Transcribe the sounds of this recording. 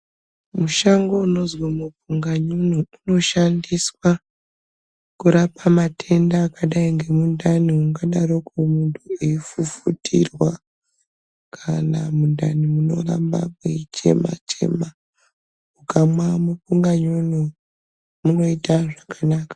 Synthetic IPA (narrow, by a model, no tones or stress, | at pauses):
muʃaŋɡouno̞zwamupuŋɡaɲonuuno̞ʃandiswa | kuɾapamatʰe̞ndaːkaɗaiŋɡe̞mundʱaniuŋɡaɗarokumuntʰueifufutʰḭrwa | kʰanamundanimuno̞ra̰mba̰kuit͡ʃe̞̰ma̰t͡ʃʰe̞̰ma | ukamwamupuŋɡaɲonu | muno̞itaʐakʰanaːkḁ